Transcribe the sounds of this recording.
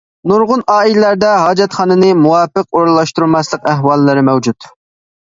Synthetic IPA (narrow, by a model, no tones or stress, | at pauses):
nuɾʁʊnɑːilɪlæɾd̪ɛɦɑːd͡ʒɛt̪χɑːnɨnɨmuwɑːpəq̚oɾlˠɑʃt̪uɾmɑslˠəqæɦwɑlˠːɨɾɨmɛwd͡ʒut̪